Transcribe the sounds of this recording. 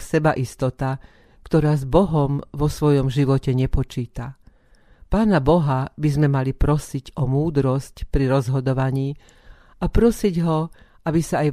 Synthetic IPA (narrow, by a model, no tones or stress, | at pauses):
sɛbaʔist̪ɔt̪a | kt̪ɔɾaːzbɔɦɔmʋɔsʋɔjɔmʒiʋɔcɛɲɛpɔt͡ʃiːt̪a | paːnabɔɦabizmɛmalipɾɔsiɟɔmuːd̪ɾɔscpɾiɾɔzɦɔd̪ɔʋaɲiː | apɾɔsiɟɦɔ | abisaːj